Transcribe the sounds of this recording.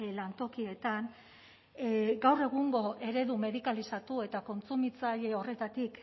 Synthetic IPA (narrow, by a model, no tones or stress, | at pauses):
lant̪o̞kie̞t̪an | ɡawre̞ɣ̞uŋɡo̞ʔe̞ɾe̞ðume̞ðikalisat̪ue̞t̪ako̞nt͡sumit͡saje̞o̞re̞t̪at̪ik